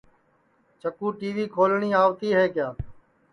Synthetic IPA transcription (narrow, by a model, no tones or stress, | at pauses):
t͡ʃəkuːʈiːʋiːkʰoːlɳiːaːʋt̪iːɦeːkɪjaː